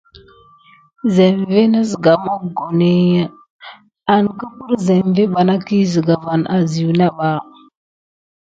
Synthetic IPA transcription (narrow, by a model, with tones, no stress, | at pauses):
ze˨mve˦na˦zə˨ɡa˨ma˦ɡo˨ne˦ | a˨n˨kə˦pu˦ɾze˨mve˦ɓa˨na˦ki˦zə˨ɡa˨va˨nʔa˨zi˨wna˦ɓa˦